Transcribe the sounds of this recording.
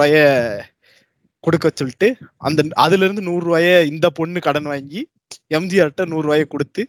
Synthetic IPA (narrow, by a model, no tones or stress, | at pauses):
aːjɐ | kɔɽɯkːɐt͡ʃːɔlɪʈːɯɐ̰nd̪ɐɐðɪlɪɾɯnd̪ɯnuːrɯʋaːjɐɪnd̪ɐpɔɳːɯkɐɽɐnʋaːŋɡi | ɛmd̪ɪjaːɾʈːɐnuːrɯʋaːjɐkɔɽɯt̪ːɯ